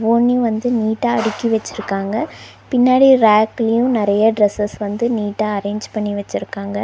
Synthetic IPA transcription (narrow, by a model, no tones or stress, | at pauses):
ʋoːnːiʋɐnd̪ɯniːʈːaːɐɽɪkːiʋɛt͡ʃːɪɾɯkːaːŋɡɐ | pɪnːaːɽiɾaːklɐjʊ̃nɪɾɐjɐɖɾɛsɐsʋɐnd̪ɯniːʈːaːɐɾeːɲd͡ʒpɐɳːiʋɛt͡ʃːɪɾɯkːaːŋɡɐ